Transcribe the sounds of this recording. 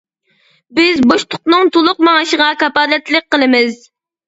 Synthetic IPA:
bɪzboʃt̪ʰʊ̥qnɨŋt̪ʰolˠʊq̚mɑŋɨʃəʁɑkɑpɑːlɛt̪lɪk̚ʲqəlˠɨmɪz

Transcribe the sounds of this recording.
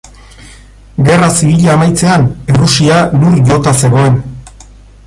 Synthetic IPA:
ɡe̞rasiβ̞iʎaːmajt͡se̞anerusialuɾʎo̞t̪ase̞ɣo̞e̞n

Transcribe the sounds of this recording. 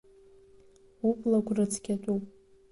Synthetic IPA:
upʼlaɡʷʰʼrɨt͡sʰʼkʲatʼupʼ

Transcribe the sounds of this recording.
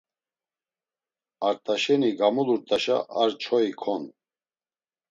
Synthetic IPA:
aɾt̪ʼaʃɛniɡamuluɾt̪ʼaʃa̰ʔaɾt͡ʃʰɔikʰɔn

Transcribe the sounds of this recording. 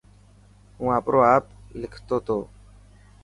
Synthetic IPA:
ɦũːãːpɾʔoːaːplɪkʰt̪oːt̪ʰoː

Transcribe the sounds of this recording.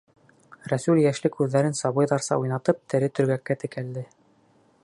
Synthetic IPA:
ɾæsʉljæʃlɘkʉðːæɾɘnsɑβɤ̆jðɑɾsɑ̰ujnɑt̪ɤp̚t̪ʰɘ̆ɾɘt̪ɵ̆ɾɡækːæt̪ɘ̆kæld̪ɘ

